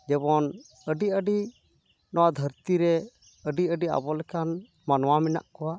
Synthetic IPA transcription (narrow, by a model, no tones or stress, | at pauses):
d͡ʒɛbɔn | əɖiəɖi | nɔwad̪ʱəɾt̪iɾɛ | əɖiəɖia̰bɔlɛkan | manwamɛna̰ʔkɔwa